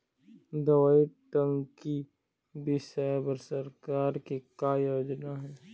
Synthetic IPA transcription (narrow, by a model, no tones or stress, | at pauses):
d̪ɐʋaːiʈə̃ŋɡki | bɪʃɛbəɾsəɾkaːɾkekajoːd͡ʒnaɦɛː